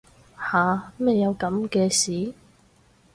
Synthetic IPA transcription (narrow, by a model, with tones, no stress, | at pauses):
haː˨me˨˧jːɐ˨˧wkɐ˨˥mkɛː˧siː˨˥